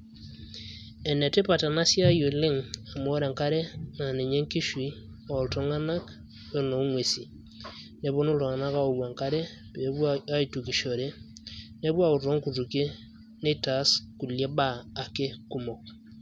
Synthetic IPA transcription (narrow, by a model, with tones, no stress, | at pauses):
ɛ˨ne˨te˦pa˨ta˨na˦sja˦jo˨le˦ŋa˨mo˦ɾe˨ŋka˦ɾe˦na˨ne˨ɲe˦ŋki˦ʃwi˨˦ | a˨o˨to˦ŋa˦na˦k | we˦no˨u˦ŋwe˨si˨ | ne˨βo˦no˦lo˨ŋa˨na˦ka˦o˨wa˨ŋka˦ɾe˦ | pbwaa˦i˨tu˨ki˨ʃo˨ɾe˦ne˦βwa˦u˨to˦ŋku˨tu˨ke˦ | ne˦ta˨˦sku˨lje˦baː˦˨ke˦ku˦mo˨k̚